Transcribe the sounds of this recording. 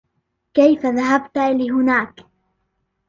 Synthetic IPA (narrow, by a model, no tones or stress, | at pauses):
kajfaðaɦabt̪aalɪɦʊnaːk